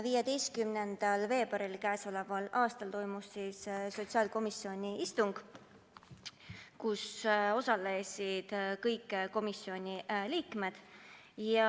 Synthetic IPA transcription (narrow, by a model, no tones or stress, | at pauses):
vijɑd̪e̞jst̪̚kymnend̪̥ɑlve̞ːb̥ɑɾilkæːso̞le̞vɑlɑːst̪ɑlt̪o̞jmusːisso̞t̪siɑːlko̞misːio̞nʲiist̪uŋɡ̥ | kuso̞sɑle̞sʲid̪̥kɤjkːˑko̞misːio̞nʲiliːkme̞d̪̥jɑ